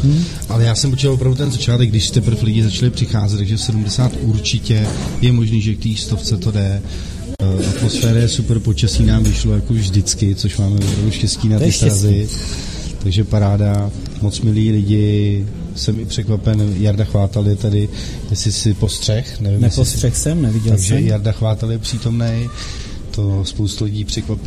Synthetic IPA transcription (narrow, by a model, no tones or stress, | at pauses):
ʔalɛjaːsɛmot͡ʃɪt̪lvopɾavdut̪ɛnzat͡ʃaːt̪ɛkɡdɪʃsɪ̥t̪ɛpr̩flɪɟɪzat͡ʃalɪpr̥ɪxaːzɛt̪ːaɡʒɛsɛdumdɛsaːt̪ʔuɾt͡ʃɪcɛjɛmo̞ʒniːʒɛk̚t̪iːst̪oft͡sɛt̪o̞dɛ | ʔat̪mo̞sfɛːɾajɛsuprpot͡ʃasiːnaːmvɪʃlo̞jako̞vʒdɪt͡skɪt͡soʃmaːmɛvopɾavduʃcɛsciːnat̪ɪst̪ɾazɪ | t̪aɡʒɛpaɾaːda | mo̞t͡smɪliːlɪɟɪ | sɛmɪpr̥ɛkvapɛnjaɾdaxvaːt̪alɪt̪adɪ | jɛsɪsɪpo̞st̪r̥ɛxnɛvɪmnjɛssrɛxsɛmnɛvɪɟɛaɡʒɛjaɾdaxvaːt̪aljɛpr̥iːt̪o̞mnɛj | t̪o̞spowst̪ulɪɟiːpr̝̥ɛkvapɪ